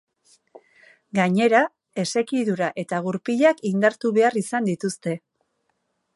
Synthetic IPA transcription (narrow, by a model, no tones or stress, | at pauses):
ɡaɲe̞ɾa | e̞se̞kiðuɾaʔe̞t̪aɣuɾpiʎakind̪aɾt̪uβe̞arisand̪it̪ust̪e̞